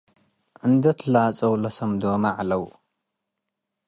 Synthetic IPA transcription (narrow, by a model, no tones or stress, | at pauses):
ʔɨnd̪ɐt̪ʰlat͡sʼɐwlɐsɐmd̪oːmaʕalɐw